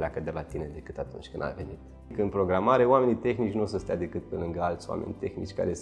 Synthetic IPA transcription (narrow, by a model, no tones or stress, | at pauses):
leakəd̪e̞lat̪ined̪e̞kɨt̪at̪ṵnt͡ʃʲkɨnd̪a̰ve̞̰nit̪ | kəɨnpɾo̞ɡɾamaɾe̞owame̞nit̪e̞xnit͡ʃʲnus̬əst̪ejad̪e̞kɨt̪̚pelɨŋɡəalt̪sʲwa̰mʔenʲt̪e̞xnḭt͡ʃʲka̰ɾe̞s